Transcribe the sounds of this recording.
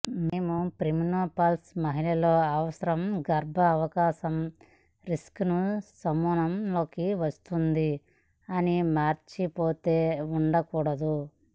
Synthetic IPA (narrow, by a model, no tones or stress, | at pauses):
meːmupɾiminoːpɐlsmɐɦilɐlo̞ːɐʋɐsɐɾɐmɡɐɾbʱɐːʋɐkaːʃɐm | ɾisknusɐmuːnɐmlo̞ːkiʋɐst̪und̪i | ɐnimaːɾt͡ʃipoːt̪eːuɳɖɐkuːɽɐd̪u